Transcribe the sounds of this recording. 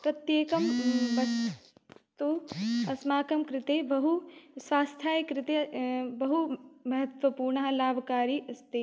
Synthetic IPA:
pɾɐt̪jeːkɐmʋɐs | t̪uɐsmaːkɐmkɾɪt̪eːbɐɦusʋaːst̪ʰjaːjkɾɪt̪ebɐɦumɐɦɐt̪ʋɐpuːɾɳɐɦɐlaːbʱkaːɾiʔɐst̪e

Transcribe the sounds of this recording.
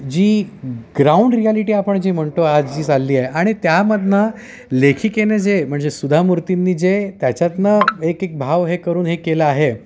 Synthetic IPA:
d͡ʑiːɡɾauɳɖɾijaliʈiːapəɳd͡ʑiːm̤əɳʈoad͡zd͡ʑiːd͡zalːiːaɦeaɽ̃it̪jaməd̪ʱnə | lekʰikened͡zem̤əɳd͡zesud̪ʱamuɾt̪inːiːd͡zet̪jat͡ɕjat̪nəekek̚bʱaʋɦekəɾuːnɦekelaaɦe

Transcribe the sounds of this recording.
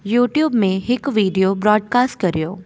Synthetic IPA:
juːʈjuːbmẽɦɪkʋiːɖijobɾɔːɖkaːsʈ̚kɐɾijo̰ː

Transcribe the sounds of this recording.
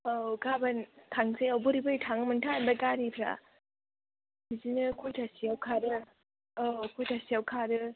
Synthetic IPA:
oɡabantʰaŋsɯjawbɯɾibɯjtʰaŋmɯntʰanbakaɾipʰɾa̰ | bizinɯkʰujtʰasiawkʰaɾɯ | okʰujtʰasiawkʰaɾɯ

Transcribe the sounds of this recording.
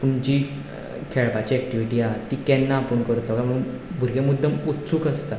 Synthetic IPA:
puɳd͡ʑi | kʰɛɭpat͡ɕiːɛk̚ʈiʋiʈiːat̪ikɛnːaːpəɳkəɾt̪laakaməɽ̃uːnbʱuɾɡemud̪ʱːəmut̪ːsuːkəst̪a

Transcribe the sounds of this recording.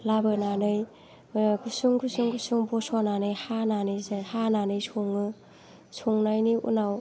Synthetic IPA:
labɯnanɯj | kusuŋkusuŋkusuŋbɔsɔnanɯjhananɯjzhananɯjsʰoŋɯ | sʰoŋnajniṵnaw

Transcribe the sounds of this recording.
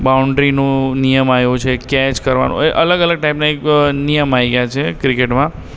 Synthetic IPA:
bauɳɖɾinũnijəmajot͡ʃʰekɛt͡ʃkəɾʋa̰nʔõ̰eʔələɡələɡ̚ʈajpnaeknijəmaiɡjat͡ʃʰekɾikeʈmã

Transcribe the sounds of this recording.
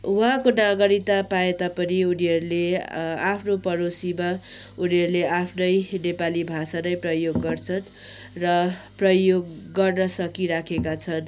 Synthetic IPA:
wakonaɡʌɾit̪apaet̪apʌniuniɦʌɾulea̰pʰnopʌɾosima | uniɦʌɾuleʔapʰnʌjnepalibʱasanʌjprʌjoɡːʌrt͡sʰʌn | rʌprʌjoɡːʌrnʌsʌkiɾakʰekat͡sʰʌn

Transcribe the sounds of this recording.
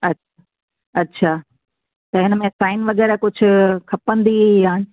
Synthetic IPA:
ɐt͡ɕʰa | ɐtːɕʰaː | t̪ɐɦɪnəmẽsaːɪnʋɐɣɛːɾakʊd͡ʑʱʊ̆kʰɐpə̃nd̪ijaː

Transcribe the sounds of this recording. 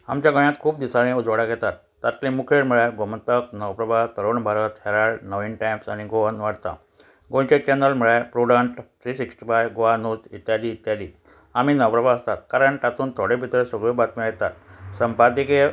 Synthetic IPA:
a̰mt͡ɕjaɡəɳjat̪kʰuːp̚d̪isanẽud͡zʋɽaɡɛt̪at̪ːat̪lemukʰeɽməɭaɡomət̪ək̚nəwpɾəbʱat̪əɾoɳbʱaɾət̪hɛɾaɽnəʋinʈajmsa̰ɽ̃iɡoʋənʋaɽt̪a̰ | ɡont͡ɕet͡ɕɛnəlməɭapɾuɽəɳʈt̪ɾisiksʈifajɡoʋanot̪it̪jaliːt̪jaliː | amiːnəwpɾəbʱaəst̪at̪kaɾəɳʈat̪uːnt̪ʰoɽebʱit̪ɭesoɡɭebat̪miɭjɛt̪at̪səmpad̪ike

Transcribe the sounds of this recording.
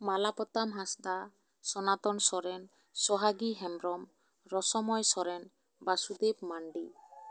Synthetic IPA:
malapɔt̪amɦast̪a | sɔnat̪ɔnsɔɾɛn | sɔɦaɡiɦɛmɾɔm | ɾɔsɔmɔjsɔɾɛn | basud̪ipmaɳɖi

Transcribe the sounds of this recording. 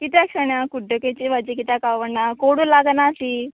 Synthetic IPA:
kit̪akʂɐɳakuɖːoket͡ʃiʋɐd͡ʒikit̪akaʋɐnːakoːɽulaːɡɐnaːsi

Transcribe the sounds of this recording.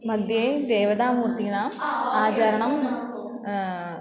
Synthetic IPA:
mɐd̪ʱjed̪eːʋɐd̪aːmuːɾt̪inaːaːt͡ʃɐɾɐɳɐm

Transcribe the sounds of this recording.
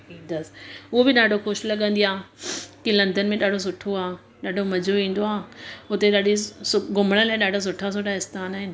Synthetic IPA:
ɦiːd̪əsʊɦobɪɗaːɖʱoxʊʃlɐɠə̃nd̪iaːkilɐ̃nd̪ənmẽɗaːɖʱos̬ʊʈʰːoaː | ɗaːɖʱomɐd͡ʑʱoʋĩːn̆d̪oaːʊt̪eɗaːɖʱisɡʊm̤əɽ̃əlaːɪɗaːɖʱas̬ʊʈʰːas̬oːʈaɪst̪aːnaːɦɪnɪ̆

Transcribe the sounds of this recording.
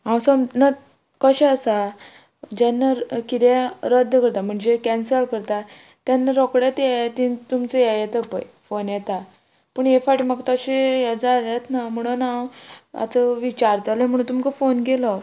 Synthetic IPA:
ɦãwsəmna | kəɕɛəsa | d͡ʑanːakit̪jeɾəd̪ʱːkəɾt̪am̤əɳd͡zekɛnsəɾkəɾt̪a | t̪janːaɾɔkɽat̪jɛt̪it̪umt͡səjɛjɛt̪əpəjfonjɛt̪a | pəɳjefaʈməɡt̪əɕejɛd͡zalat̪nam̤əɽ̃ənawa̰t̪əʋit͡ɕaɾt͡salẽm̤əɽ̃unt̪umkəfonkelɔ

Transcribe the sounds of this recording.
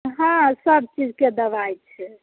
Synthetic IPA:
ɦãsəb̚t͡ʃid͡ʒked̪əbajt͡ʃʰɛ

